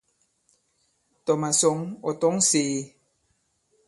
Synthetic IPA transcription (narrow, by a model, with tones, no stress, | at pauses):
t̪ɔ˨ma˨so˨ŋo˨t̪o˦ŋseː˨